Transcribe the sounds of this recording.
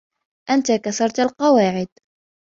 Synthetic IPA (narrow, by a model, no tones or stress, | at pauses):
ʔant̪akaθɑɾˤt̪alqɑwaːʕɪd̪̚